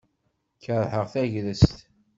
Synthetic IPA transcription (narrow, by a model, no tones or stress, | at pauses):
çəɾˤħəʁθæʝðəst̪